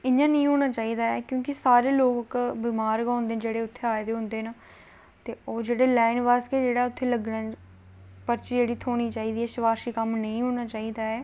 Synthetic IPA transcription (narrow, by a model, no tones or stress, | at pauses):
ɪɲãːnəĩːɦoːɽ̃aːt͡ʃaːiːd̪aːɛːkjõːkɪsaːɾeːloːkkbɪmaːɾkãːnd̪eːnd͡ʒeːɽeːʊt̪ʰːeːaːed̪eːɦʊ̃nd̪eːnaː | t̪eːoːd͡ʒeːɽeːlaːɪnʋaːskeːd͡ʒeːɽaːʊt̪ʰːeːləɡnaː | pəɾt͡ʃiːd͡ʒeːɽiːt̪ʰoːɽ̃iːt͡ʃaːiːd̪iːɛːʃɪʋaːɾʃiːkəmnəĩɦoːɽ̃aːt͡ʃaːiːd̪aːɛː